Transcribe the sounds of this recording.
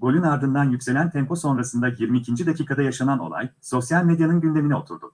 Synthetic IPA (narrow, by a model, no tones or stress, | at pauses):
bo̞lʲynaɾd̪ɯnd̪anjycʲse̞lʲænt̪ʰɛmko̞so̞nɾasɯnd̪ajiɾmiːcʰind͡ʒid̪acʰiːkʰad̪ajaʃanano̞̰lˠa̰jso̞sjalʲme̞d̪janɯnɟynd̪e̞minio̞̰t̪ʰuɾd̪ʊ̰